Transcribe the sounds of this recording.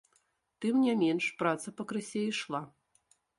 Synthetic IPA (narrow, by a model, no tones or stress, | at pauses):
t̪ɨmnʲamʲɛnʂpɾat̪sɐpɐkɾɨsʲɛjiʂlˠa